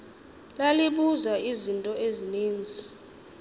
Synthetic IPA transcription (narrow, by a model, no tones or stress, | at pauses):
laliɓuzaizintʼɔeziniːnd͡zʱi